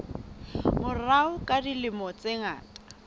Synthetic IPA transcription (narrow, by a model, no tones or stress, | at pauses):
mʊraʊkʼadilɪmɔt͡sʼeŋa̰ːtʼḁ